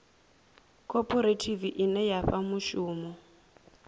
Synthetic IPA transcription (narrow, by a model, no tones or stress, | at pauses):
kʰʼɔpʰʼɔɾetʰiviʔinɛjaɸamuʃuːmɔ